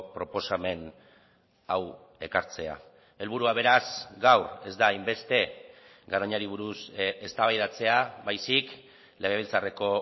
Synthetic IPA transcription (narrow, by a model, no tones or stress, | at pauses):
pɾo̞po̞same̞n | aw | e̞kaɾt͡se̞a̰ | e̞lβuɾuaβ̞e̞ɾasɡawre̞zd̪aːjmbe̞st̪e̞ | ɡaɾoɲaɾiβ̞uɾusest̪aβajðat͡se̞aβajsik | leɣ̞eβ̞elt͡sare̞ko̞